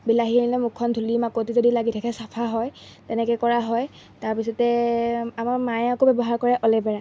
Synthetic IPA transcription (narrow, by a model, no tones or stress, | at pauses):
bilaɦienilɛmukʰːɔndʱulimakotizodilaɡitʰɛkʰɛsapʰaɦɔjtɛnɛkɛkɔɹaɦɔj | taɹpisɔtɛamaɹmajakobɛbɔɦaɹkɔɹɛʔɔlɛbɛɹa